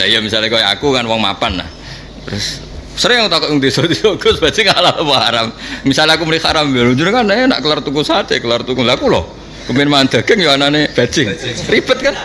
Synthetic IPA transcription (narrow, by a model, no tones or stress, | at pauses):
aijəmisalekoja̰kukanwaŋma̰panːa̰h | t̪ɾʊs | səɾɪŋjaŋut̪akɔt̪uŋt̪isɔt̪isɔɡʊsb̥ad͡ʒɪŋalalopahaɾammisaleakuməlixaɾambaluɲd͡ʒʊrkanena̰ʔkəlart̪ukusat͡ʃekəlart̪ukulakulɔ̰ | kəmɪnmand̪̥a̤ɡ̥əŋjuananeb̥ḁt͡ʃɪŋrib̥ət̪̚kan